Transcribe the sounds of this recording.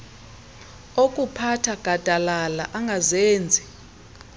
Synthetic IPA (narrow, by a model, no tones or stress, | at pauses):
okʼupʰatʰaɡ̥ʱad̥ʱalalaʔaŋɡʱazeːnd͡zʱi